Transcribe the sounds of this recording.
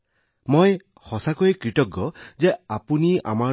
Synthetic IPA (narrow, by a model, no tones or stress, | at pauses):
moj | hɔsakojkɹitɔɡːɔzɛapunia̰ma